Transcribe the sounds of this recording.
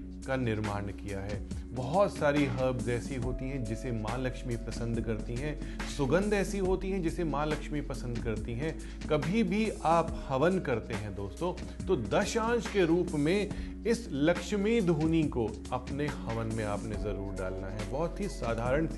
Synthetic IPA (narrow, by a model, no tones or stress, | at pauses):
kanɪɾmaːnkijaɦɛːbɐɦɔt̪saːɾiɦɐbzɛːsiɦoːt̪iɦɛ̃d͡ʒɪsemãːlɐkʃmipɾɐsə̃nd̪ʱkɐɾt̪iɦɛ̃ː | sʊɡə̃nd̪ɛːsiɦoːt̪iɦɛ̃d͡ʒɪsemaːlɐkʃmipɐsə̃nd̪kɐɾt̪iɦɛ̃ | kɐbʱibʱiaːphɐʋənkɐɾt̪eɦɛ̃d̪oːst̪õː | t̪oːd̪ɐʃãːt͡ʃkeɾuːpmẽ | ɪslɐkʃmid̪ʱuːniko | ɐpnehɐʋənmẽaːpnezɐɾuːɾɖaːlnaɦɛbɔɦɔt̪ɦisaːd̪ʱaːɾəɳ̃s